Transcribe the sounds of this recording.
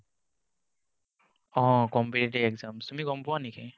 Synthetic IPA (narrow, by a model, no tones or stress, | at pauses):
ɔ̃kɔmpiɾeʈiɛkzamsumiɡɔmpʊwanikʰɛ